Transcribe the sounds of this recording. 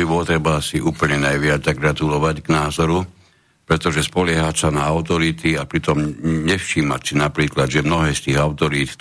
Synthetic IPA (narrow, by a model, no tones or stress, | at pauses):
ibɔt̪ɾɛbaasiʔuːpl̩ɲɛnajʋɪad͡zt̪aɡɡɾat̪ulɔʋaɟɡnaːzɔɾu | pɾɛt̪ɔʒɛspɔlɛɦasanaaʊt̪ɔɾit̪iapɾit̪ɔmɲɛfʃiːmact͡sinapɾiːklad̪ʒɛmnɔɦɛːst̪iːɣaʊt̪ɔɾiːt̪